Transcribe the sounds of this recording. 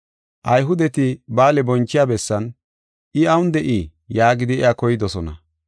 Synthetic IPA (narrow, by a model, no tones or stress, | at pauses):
ʔɐjɦʊd̪ɛt̪ɪbaːlɛbɔnt͡ʃːɪjaːbɛsːɐn | ʔɪɐwʊnd̪ɛʔi | jaːɡɪd̪ɪɛjakɔjɪd̪ɔsɔnɐ̰